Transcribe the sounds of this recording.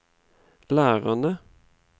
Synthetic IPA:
læːʁɑnə

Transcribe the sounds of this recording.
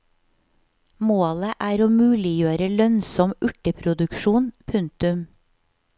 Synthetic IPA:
moːləʔæːɾoːmʉːlɪjøːɾəlœnsɔmʉʈəpʰɾʊd̪ʉkʃuːnpʰʉŋt̪ʉm

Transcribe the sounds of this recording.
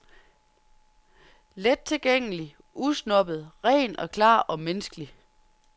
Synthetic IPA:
led̥̚t͡sʰe̝lɡ̥eŋ̰əəli | usnɒ̽b̥ð̞̩ˠʁɛ̰ːnɒ̽kʰlɑ̰̈ːɒ̽menəsɡ̥əli

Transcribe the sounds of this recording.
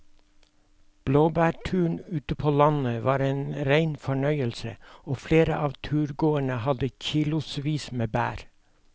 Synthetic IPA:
b̥loːbæːʈʰʉːɳʉːt̪əpʰoːlɑnəʋɑːɾeːnɾæɪnfɔɳœʏəlsə̰oːfleːɾə̰ʔɑːʋt̪ʰʉːɾɡoːəɳəhɑd̪əçiːlʊsʋiːsmeːbæ̰ːɾ

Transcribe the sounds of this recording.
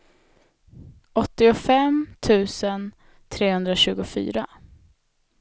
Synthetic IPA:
ɔt̪ːɪʊfɛmt̪ʰʉ̟ːsən | t̪ʰɾeːhɵnd̪ɾaɕʉ̟ːɡʊfy̰ːɾa

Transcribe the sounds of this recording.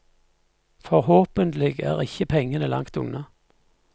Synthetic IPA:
fɔʁhoːpənt̪lɪɡæ̰ːʁɪçəpʰɛŋːənəlɑ̰ŋkt̪ʊ̰ŋnɑ

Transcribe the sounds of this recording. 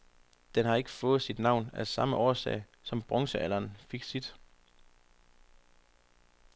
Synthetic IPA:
d̥enɦɑ̈e̝ɡ̥əfɔ̽ːð̞̩ˠsid̥nɑ̈ʊnæsɑ̈məʔɒːsɛ̰ɪ | sɒ̽mb̥ʁɒ̽ŋsəæl̰ɐːnfiɡ̥sid̥

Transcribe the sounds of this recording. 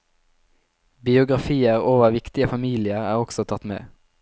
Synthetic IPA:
bɪʊɡʁɑfiːəʁoːʋəʋɪkt̪ɪəfɑmiːlɪəʁæːʁɔɡsɔt̪ʰɑt̪mḛː

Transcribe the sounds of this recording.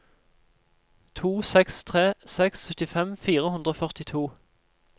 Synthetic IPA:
t̪ʰuːsɛkst̪ʰʁeːsɛksːœt̪ɪfɛmfiːʁəhʉnd̪ʁoːfœʁt̪ɪt̪ʰuː

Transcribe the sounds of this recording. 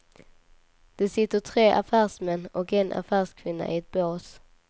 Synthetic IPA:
d̪̥ɛsɪt̪ːəʈ̪ʰɾeːʔafæːʂmɛnːɔkɛnʔa̰fæːʂkʰvɪnːa̰ʔɪɛt̪̚boːs

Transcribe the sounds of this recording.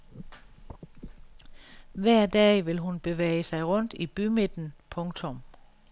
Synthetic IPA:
ʋæɐ̰d̥ɛ̰ːʋe̝lɦunb̥e̝ʋḛːɪəsɑ̈ɪʁɔ̽n̰d̥ib̥yme̝d̥n̩pʰɔ̽ŋt͡sʰɔ̽m

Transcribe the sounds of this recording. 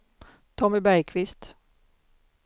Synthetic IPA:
t̪ʰɔmɪbæɾjkʰvɪst̪

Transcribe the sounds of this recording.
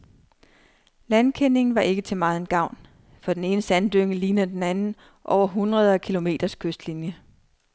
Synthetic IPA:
lænkʰen̰e̝ŋn̩ʋɑ̈ʔe̝ɡ̥ət͡sʰe̝mɑ̈ːð̩ˠenɡ̥ɑ̈ʊ̰n | fɒ̽d̥ene̝ːnəsænd̥øŋəliːnɐd̥enænn̩ | ʔɒʊ̰ɐɦunʁɐð̞ˠkʰilo̝me̝̰ːd̥ɐskʰøsd̥linjə

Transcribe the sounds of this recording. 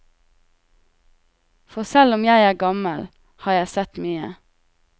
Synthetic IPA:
fɔsælɔmjæɪæːɡɑməl | hɑːjæɪsɛt̪myːə̰

